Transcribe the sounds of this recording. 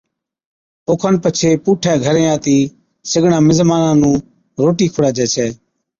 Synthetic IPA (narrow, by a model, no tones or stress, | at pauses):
oːkʰənpət͡ʃʰeːpuːʈʰɛːɡʱəɾẽːaːt̪iː | sɪɡʱɳãːmɪzmaːnãːnũː | ɾoːʈiːkʰʊɽaːd͡ʒɛːt͡ʃʰɛː